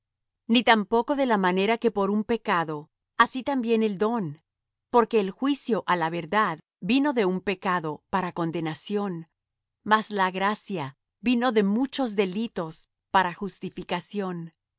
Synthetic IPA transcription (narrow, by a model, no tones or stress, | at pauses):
nit̪ampo̞ko̞ðe̞lamane̞ɾake̞po̞ɾumpe̞kaðo̞ | asit̪ambje̞ne̞ld̪o̞n | po̞ɾke̞ːlxwisjo̞ʔalaβe̞ɾðað | bino̞ðe̞umpe̞kaðo̞paɾako̞nd̪e̞nasjo̞n | mazlaɣɾasja | bino̞ðe̞mut͡ʃo̞zðe̞lit̪o̞s | paɾaxust̪ifikasjo̞n